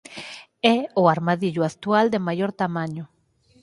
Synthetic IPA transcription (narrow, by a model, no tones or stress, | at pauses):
ɛoaɾmaðiʎoak̚t̪uald̪emajoɾt̪amãɲo